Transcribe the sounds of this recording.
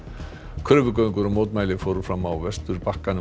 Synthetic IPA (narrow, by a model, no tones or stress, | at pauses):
kʰʏːvʏkœɥŋkʏɾɔmoːwt̪maːjlɪfowɾʏfɾawmːaːwvɛst̪ʏɾpahkanʏ